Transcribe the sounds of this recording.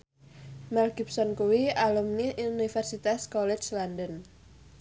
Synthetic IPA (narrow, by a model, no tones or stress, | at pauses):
mɛlɡipsɔnkuwialumniʔunifɛrsit̪askɔlɛt͡ʃlandən